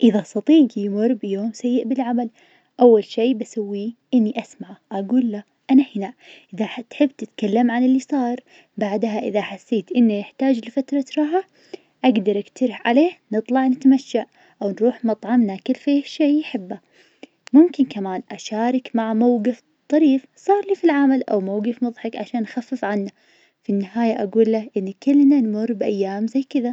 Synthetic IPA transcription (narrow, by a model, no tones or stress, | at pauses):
ʔɪðasˤɑt̪ˤiːɡjmʊrˤbjoːmsajːɪʔbɪlʕamal | ʔawːalʃeːbasawːiʔɪnːiʔasmaʕʔaɡuːlːa | ʔanahɪnaʔʔɪðaħt̪ħɪbːt̪ɪt̪kalːamʕanɪlːisˤɑːɾˤ | baʕd̪ɦaʔɪðaħasːeːt̪ʔɪnːajɪħt̪aːd͡ʒlfat̪ɾˤɑt̪ɾˤɑɦa | ʔaɡd̪ɑɾˤʔɪkt̪aɾɪħʕa̰leːhnɨt̪ˤlɑʕnɪt̪maʃːaʔ | ʔawnɾuːħmɑt̪ˤʕɑmnakɪlːfiːʃejħɪbːa | mʊmkɪnkamaːnʔaʃaːɾˤɑkmaʕmawɡɪf | t̪ˤːɑɾiːf | sˤɑːɾˤliːfilʕamalʔa̰wmawɡɪfmʊðˤħɑkʕaʃaːnːxafːɪfʕanːa | finːɪɦaːjaʔaɡuːlːaʔɪnːikʊlːnanmʊrˤbʔajːaːmzajːkɪða